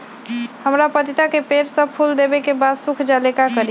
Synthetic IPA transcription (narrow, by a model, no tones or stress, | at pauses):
həmɾapət̪it̪akepeɾsə̃pʰuld̪ebekebad̪sukʰd͡ʒalekakəɾi